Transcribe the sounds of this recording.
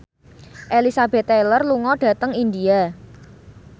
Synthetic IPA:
ʔelisabɛ̤t̪ːelərluŋɔɖ̥ä̤t̪əŋind̪ia

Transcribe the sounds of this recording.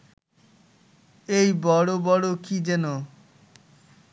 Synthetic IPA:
ejbɔɽobɔɽokid͡ʑeno

